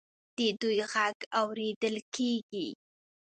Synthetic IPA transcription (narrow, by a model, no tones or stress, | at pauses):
d̪̥əd̪ujɣaɡawɾed̪əlkʰeɡi